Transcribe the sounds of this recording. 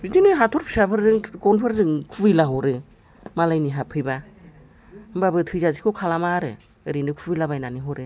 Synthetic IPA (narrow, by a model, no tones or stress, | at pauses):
bitʰinɯɦatʰɔɾpʰi̥sapʰɯɾzɯŋɡɔnpʰɯɾzɯŋkʰubɯjlaɦɔɾɯ | malajniɦapʰɯjba | ɯmbabɯtʰɯzazikʰokʰalamaɾɯ | ɯɾinɯkʰubɯjlabajnaniɦɔɾɯ